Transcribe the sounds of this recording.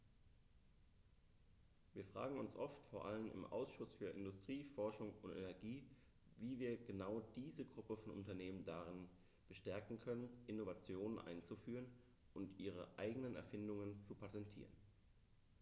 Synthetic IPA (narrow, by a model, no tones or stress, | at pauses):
viːɐfʁ̥a̰ːɡŋ̩ʊnsʔɔftfoːɐʔalənɪ̰mʔa̰ʊsʃʊsfyːɐʔɪndʊstʁ̥iːfɔɐʃʊŋʊntɛ̰nɛɐɡiː | viːviːɐɡənaʊd̥iːzəɡʁʊpəfɔnʔʊ̰ntɐneːməndaʁɪn | b̥əʃtɛɐkŋ̩kʰœnənʔɪnovat͡sjoːnənʔa̰ɪnt͡sufyːʁən | ʔʊntʔiːʁ̞əʔa̰ɪɡənənɛ̰ɐfɪndʊŋənt͡supʰatɛntʰḭːʁən